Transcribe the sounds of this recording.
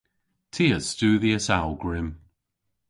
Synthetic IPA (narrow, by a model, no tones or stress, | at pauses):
tʰiːəz̥stuːðiəsalˠɡɹɪm